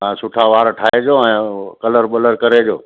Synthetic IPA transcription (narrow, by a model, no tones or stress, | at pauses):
sʊʈʰaʋaːɾʈʰaːed͡ʑoːɛ̃ːkɐləɾɓɐləɾkɐɾed͡ʑoː